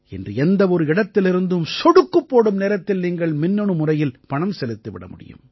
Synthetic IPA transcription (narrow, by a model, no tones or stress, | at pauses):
ɛ̰ndrɯɛnd̪ɐɔɾɯɪɽɐt̪ːɪlɪɾɯnd̪ɯmsɔɽɯkːɯpːoːɽɯmneːɾɐt̪ːɪlniːŋɡɐɭmɪnːɔɳɯmʊrɐjɪlpɐɳɐmsɛlɯt̪ːɯʋɪ̰ɽɐ̰mʊɽɪ̰jɯ̰m